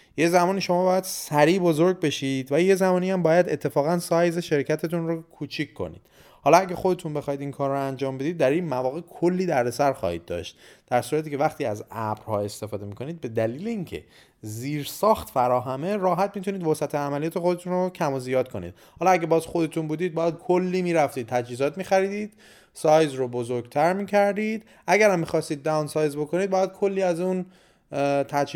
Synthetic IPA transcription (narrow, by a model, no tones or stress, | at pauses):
je̞zæmɒːniːʃo̞mɒːbɒːjæd̪̥sæɾiːbo̞zoɾɟ̚be̞ʃiːd̪væje̞zæmɒːniæmbɒːjæd̪e̞̰t̪ʰːe̞fɒːɣænsɒːjzeʃe̞ɾcʰæt̪ʰe̞t̪unɾokʰuːt͡ʃʰikʰkːo̞̰nḭːd̪̥ | hɒːlɒæɡʲæxod̪e̞t̪ʰunbexɒːhid̪inkʰɒːɾːoænd͡ʒɒːmbe̞d̪iːd̪̚ːæɾinmævɒːɣe̞kʰolːiːd̪æɾd̪e̞sæɾxɒ̰ːhḭːd̪̚ːɒ̰ːʃt̪̚d̪̥æɾsuːɾæt̪ʰiːcʰe̞væχt̪ʰiːæzæbɾhɒ̰ːe̞st̪e̞fɒːd̪e̞miːkʰo̞niːd̪̚be̞d̪æliːleincʰe̞̰ | ziːɾsɒːxt̪fæɾɒːɦæme̞ɾɒːɦæt̪mit̪ʰuniːd̪vɒsæt̪ʰeæmælijɒːt̪ʰe̞xo̞d̪et̪ʰunrocʰæmozijɒːd̪̚kʰo̞nḭːd̪̥ | hɒlɒæɟebɒːzxo̞d̪e̞t̪ʰunbuːd̪iːd̪̚bɒːjæd̪̥̚kʰolːiːmiːɾæft̪iːd̪̚t̪ʰæd͡ʒhiːzɒːt̪miːxæɾiːd̪iːd̪̥ | sɒːjzɾobozoɾɡt̪ʰæɾmiːcʰæɾd̪iːd̪ | ʔæɟæɾæmːixɒːst̪iːd̪̚ːæunsɒːjzbo̞kʰo̞niːd̪bɒːjæd̪̚kʰo̞lːiːæzun | t̪ʰæd͡ʒ